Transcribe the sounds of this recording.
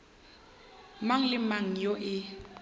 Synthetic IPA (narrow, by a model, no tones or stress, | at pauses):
maŋ̩lɪmaŋ̩joʔɪ